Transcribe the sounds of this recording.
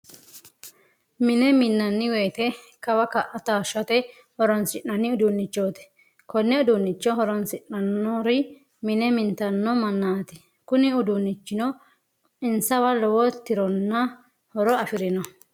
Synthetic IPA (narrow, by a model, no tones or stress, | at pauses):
mɪnɛmɪnːɐnːɪwejːt̪ɛ | kɐwɐkɐʔɐt̪aːʃɐt̪ɛ | hɔɾɔnsɪnːɐnːɪʊd̪ʊnːɪt͡ʃːo̞ːt̪ɛ̥ | kɔnːɛʊd̪ʊnːɪt͡ʃːɔɦɔɾɔnsɪʔɐnːɔɾɪ | mɪnɛmɪnt̪ɐnːɔmɐnːaːt̪ɪ | kʊnɪʊd̪ʊnːɪt͡ʃːɪnɔ | ɪnsɐwɐlɔwɔt̪ːɪɾɔnːɐ | hɔɾɔɐfɪɾɪnɔ